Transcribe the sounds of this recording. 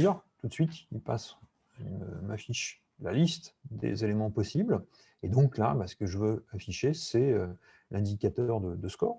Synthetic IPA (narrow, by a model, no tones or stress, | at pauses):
zœʁt̪ut̪sɥit̪ilpas | mə̰mafiʃ | lalist̪d̪ḛzelemɑ̃pɔsibl | ed̪ɔ̃kla̰basə̥kəʒəvøafiʃesɛø | lʔɛ̃d̪ikʲat̪œʁd̪əd̪əskɔːʁ